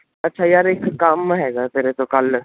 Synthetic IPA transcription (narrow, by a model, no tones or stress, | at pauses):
ɐtːʃʰaːjaːɾɪkːaːmɦɛːɡaːt̪eːɾet̪okɐl